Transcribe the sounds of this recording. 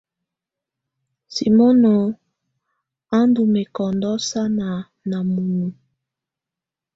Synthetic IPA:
si˨mo˦no˨ | a˦ndu˨me˨kɔ˨ndɔ˦sa˦na˨ | na˨mu˨nu˨

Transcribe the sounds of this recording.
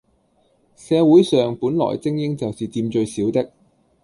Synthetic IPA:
sɛː˨˧wuː˨˥jsœː˨ŋpuː˨˥nlɔ̰ː˨˩jt͡sɪ˥ŋjɪ˥ŋt͡sɐ˨wsiː˨t͡siː˧mt͡ʃɵ˧ɥsiː˨˥wt̪ɪ˥k̚

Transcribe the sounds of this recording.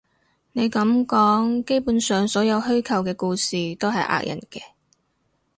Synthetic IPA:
ne˨˧jkɐ˨˥mkɔː˨˥ŋke˥jpuː˨˥nsœː˨˩ŋsɔː˨˥jɐ˨˧wɦɵ˥ɥkʰɐ˨˩wkɛː˧kuː˧siː˨t̪o˥wɦɐ˨˩jʔa̰ː˧k̚jɐ̰˨˩nkɛː˧

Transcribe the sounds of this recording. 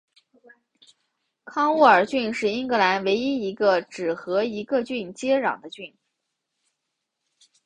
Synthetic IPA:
kʰɑ˥ŋu˥˩ə˞˨˩t͡ɕy˥˧nʂɻ̩˥˩i˥ŋkɤ˧˥la˧˥nwe˧˥ɪi˥i˧˥ɡə˧ʈ͡ʂɻ̩˨˩xɤ˧˥i˧˥ɡə˧t͡ɕy˥˩nt͡ɕjɛ˥ɻɑ̰˨˩ŋd̪ə˦t͡ɕy˥˩n

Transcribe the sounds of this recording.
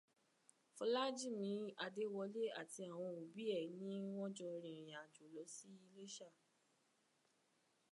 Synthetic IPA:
fɔ˧˦la˦d͡ʒi˦˨mĩ˨˧˦a˧de˦wɔ˧le˦a˦˨ti˧a˨w̃ɔ̃˧o˨bi˨˦ɛ˦˨nĩ˦w̃ɔ̃˦d͡ʒɔ̃˧ɾĩ˨ɾã˨d͡ʒo˨lɔ˨˦si˦i˧le˦ʃa˦˨

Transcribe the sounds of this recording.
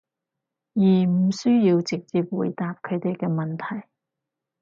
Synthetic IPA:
jiː˨˩m̩˨˩syː˥jiː˧wt͡sɪ˨k̚t͡siː˨p̚wṵː˨˩jt̪aː˨p̚kʰɵ˨˧ɥt̪e˨jkɛː˧mɐ˨nt̪ʰɐ˨˩j

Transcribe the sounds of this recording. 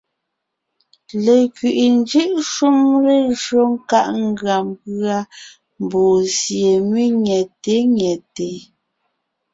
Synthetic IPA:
le˨kɥi˨ʔi˨n˦d͡ʒi˦ʔʃu˦mɾe˦ʒo˦ŋ̩˦ka˦ʔŋ̩˦ɡɰa˨mpɰa˦ | m˨boː˨zje˨me˦ɲjɛ˨te˨˦ɲɛ˨te˨

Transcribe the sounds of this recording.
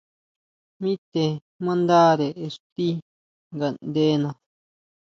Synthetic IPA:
mĩ˦t̪e˧ | mã˦nd̪a˦ɾe˨e˧ʂt̪i˦ | ŋɡa˨nd̪e˦nã˧

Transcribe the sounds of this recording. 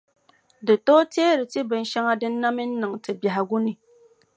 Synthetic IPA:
dɨ˨toː˦teː˦ɾɨ˨ti˦bɨ˨n̩˦ʃa˦ŋa˦dɨ˦n̩˦na˦mi˦n̩˦nɨ˨ŋtɨ˨bja˨ɦa˨ɡu˦ni˨

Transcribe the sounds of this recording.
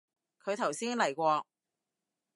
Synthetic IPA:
kʰɵ˨˧ɥt̪ʰɐ˨˩wsiː˥nlɐ˨˩jkʷɔː˧

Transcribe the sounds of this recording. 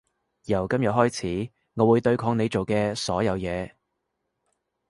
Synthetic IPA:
jɐ˨˩wkɐ˥mjɐ˨t̚ɦɔː˥jt͡sʰiː˨˥ | ŋɔː˨˧wuː˨˧jt̪ɵ˧ɥkʰɔː˨˧ŋne˨˧jt͡so˨wkɛː˧sɔː˨˥jɐ˨˧wjɛː˨˧

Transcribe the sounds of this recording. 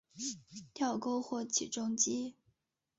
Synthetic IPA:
t̪ʰjɑ˥˧ʊko˥ʊxwɔ˥˩t͡ɕʰḭ˨˩ʈ͡ʂʊ˥ŋt͡ɕi˥

